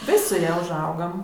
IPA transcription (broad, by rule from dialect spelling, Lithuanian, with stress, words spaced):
ˈʋʲɪsʲ sʊ ˈjɛ ʊʒˈɐʊɡɐm